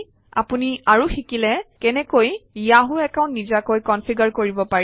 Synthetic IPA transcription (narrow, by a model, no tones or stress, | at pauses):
a̰puniaɹuxikilɛkɛnɛkojijaɦuɛkaʊ̃ntnizakojkɔnpʰiɡaɹkoɹibɔpaɹ